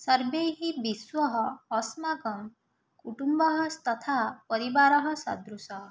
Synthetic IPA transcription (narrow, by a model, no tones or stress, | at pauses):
sʌɾbeɦibiswɔɦɔːsmaɡɔn | kuʈumbɔɦɔst̪ɔt̪ʰapɔɾibaɾɔɦɔsɔ̰d̪ɾusɔ